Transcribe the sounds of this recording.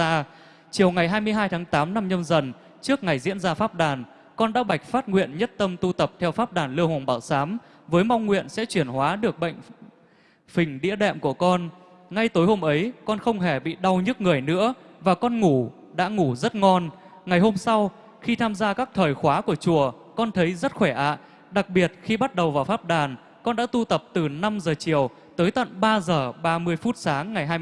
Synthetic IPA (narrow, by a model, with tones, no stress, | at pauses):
aː˧ | t͡ɕi˨˩əwŋa˨˩jɦaː˧jmɨ˧əjɦaː˧jt̪ʰaː˨˦ŋt̪aː˨˦mna˧mɲə˧mzə˨˩n | t͡ɕɨ˦˥ək̚ŋa˨˩jzḭ˧˥ənzaː˧faː˦˥p̚ɗaː˨˩n | kɔ˧nɗa̰ː˧˥ɓa˨˩jk̟̚faː˦˥t̚ŋwḭ˧˨ənɲə˦˥t̚t̪ə˧mt̪u˧t̪ə˨˩p̚t̪ʰɛ˧wfaː˦˥p̚ɗaː˨˩nlɨ˧əhwa˨˩ŋ͡mɓaː˧˩wsaː˨˦m | vəː˨˦jma˧wŋ͡mŋwḭ˧˨ənsɛ̰˧˥t͡ɕwi˧˩ənhwaː˨˦ɗɨ˨˩ək̚ɓə̰˧˨jŋ̟ | fï˨˩ŋ̟ɗḭ˧˥əɗɛ̰˧˨mku˧˩əkɔ˧n | ŋa˧jt̪o˨˦jho˧mʔə˨˦jkɔ˧nxə˧wŋ͡mɦe˧˩ɓḭ˧˨ɗa˧wɲɨ˦˥t̚ŋɨ˨˩əjnɨ̰˧˥əvaː˨˩kɔ˧nŋu˧˩ | ɗa̰ː˧˥ŋu˧˩zə˦˥t̚ŋɔ˧nŋa˨˩jho˧msa˧w | xi˧t̪ʰaː˧mzaː˧kaː˦˥k̚t̪ʰəː˨˩jxwaː˨˦ku˧˩ət͡ɕu˧˩ə | kɔ˧nt̪ʰə˨˦jzə˦˥t̚xwɛ˧˩ʔa̰ː˧˨ | ɗa˨˩k̚ɓi˨˩ət̚xi˧ɓa˦˥t̚ɗə˨˩wvaː˨˩wfaː˦˥p̚ɗaː˨˩n | kɔ˧nɗa̰ː˧˥t̪u˧t̪ə˨˩p̚t̪ɨ˨˩na˧mzəː˨˩t͡ɕi˧˩əw | t̪əː˨˦jt̪ə̰˧˨nɓaː˧zəː˨˩ɓaː˧mɨ˧əjfu˦˥t̚saː˨˦ŋːa˨˩jɦaː˧